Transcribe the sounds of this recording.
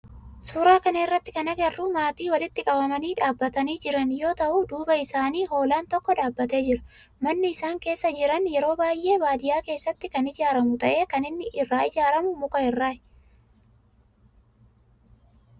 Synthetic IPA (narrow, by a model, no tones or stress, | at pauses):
suːɾaːkɐnɐɪrːɐt̪ːɪ̥kɐnɐɡɐrːuːmaːt̪iːwɐlɪt̪ːɪkʼɐbɐmɐniːᶑaːbːɐt̪ɐniːd͡ʒɪɾɐnjo̞ːt̪ɐʔud̪uːbɐɪsaːniːɦo̞ːlaːnt̪ɔkːɔᶑaːbːɐt̪e̞ːd͡ʒɪɾɐ̥ | mɐnːɪɪsaːŋke̞ːsːɐd͡ʒɪɾɐnjɛɾo̞ːbaːjʔe̞ːbaːd̪ɪjaːke̞ːsːɐt̪ːɪkɐnɪd͡ʒaːɾɐmʊt̪ɐʔe̞ːkɐnɪnːɪʔɪrːaːɪd͡ʒaːɾɐmʊmʊkɐhɪrːaː